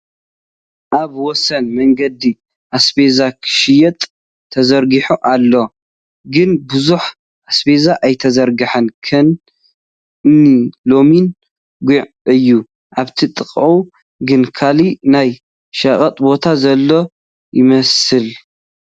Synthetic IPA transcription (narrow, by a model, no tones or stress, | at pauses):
ʔaβwɔsɐnmɐŋɡɐd̪i | ʔasbezakʰɨ̥ʃɪjɐt̪ʼʰː | ɐzɐɾɡiħuʔalːo̞ | ɡɨnbɨzuħ | ʔasbezaʔajt̪ʰɐzɐɾɡɐħɐnkʰɐn | nːilo̞min | ɡuʕ | ɨjːu | ʔaβt̪ʰit̪ʼɨkʼʕu | ɡɨnkʰalinaj | ʃɐχʼɐt̪ʼbo̞t̪ʰazɐlːo̞ | jɪmɐsɨl